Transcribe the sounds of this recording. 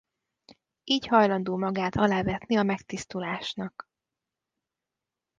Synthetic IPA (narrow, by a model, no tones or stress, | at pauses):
iːchɒjlɒnd̪uːmɒɡaːt̪ɒlaːvɛt̪niɒmɛkt̪ist̪ulaːʃnɒk